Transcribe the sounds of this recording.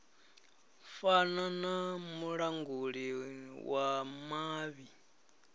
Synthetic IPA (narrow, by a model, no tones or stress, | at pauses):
fananamuɺaŋɡuɺiwʔamaːβi